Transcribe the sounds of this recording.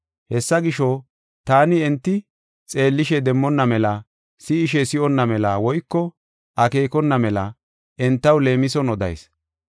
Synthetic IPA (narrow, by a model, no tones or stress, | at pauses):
hɛsːɐɡɪʃɔ | t̪aːnɪɛnt̪ːɪ | t͡sʼe̞ːlːɪʃɛd̪ɛmːɔnːɐmɛlɐ | sɪːʃɛsɪɔnːɐmɛlɐwɔjkːɔ | ʔɐke̞ːkɔnːɐmɛlɐ | ʔɛnt̪ːɐwle̞ːmɪsɔnɔd̪ɐ̰js